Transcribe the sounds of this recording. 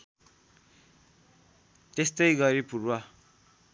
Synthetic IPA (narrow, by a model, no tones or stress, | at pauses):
t̪est̪ʌjɡʌɾipurwa